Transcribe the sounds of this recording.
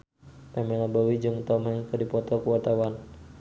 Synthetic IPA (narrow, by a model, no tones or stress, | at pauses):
pɛmɛlabawid͡ʒəŋut̪amaikədipɔt̪ɔkuwat̪awan